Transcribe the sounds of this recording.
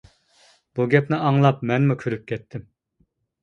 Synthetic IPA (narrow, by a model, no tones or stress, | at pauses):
b̥uɡʲɛpnɪɑŋlˠɑpmɛnmukʲʰyɾyp̚kʲʰɛt̪ʰːɪm